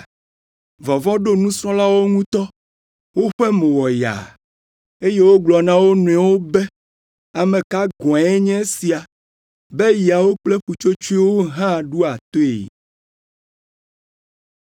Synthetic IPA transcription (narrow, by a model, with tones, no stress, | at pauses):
vɔ˨vɔ̃˦ɖo˦nũ˦sɔ̃˦la˦wo˦ŋũ˦t̪ɔ˦ | wo˦ɸɛ˦mẽ˨wɔ˨ja̰˨ | e˦je˦wo˦ɡ͡blɔ˨nã˦wo˦nũ˨ɛ˨wo˦be˦ | a˨mẽ˨ka˦ɡɔ̃˨ɛ˦ɲɛ̃˦si˨a˨ | be˦ji˨a˨wo˦k͡ple˦ɸu˨t͡ʃo˦t͡ʃu˦i˦wo˦ɦã˦˨ɖu˦a˨t̪o˦ḛ˨